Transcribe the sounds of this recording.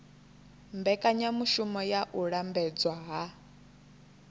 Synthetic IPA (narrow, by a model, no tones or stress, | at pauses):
mbɛkʼaɲamuʃumɔjaʔuɺambɛd͡zwaɦa